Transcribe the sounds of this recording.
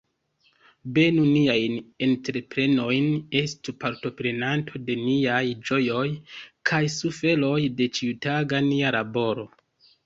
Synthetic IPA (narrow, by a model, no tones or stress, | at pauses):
be̞nuniajne̞ntɾe̞pɾe̞no̞jne̞stupaɾto̞pɾe̞nantʰo̞de̞niajd͡ʒo̞jo̞jkʰajsufe̞lo̞jde̞t͡ʃiutaɡanialabo̞ɾo̞